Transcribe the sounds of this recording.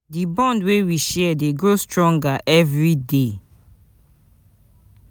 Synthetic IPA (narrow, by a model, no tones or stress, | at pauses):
dibɔ̃ndwewiʃɛdeɡɹostɹɔ̃ŋɡaʔɛvɹide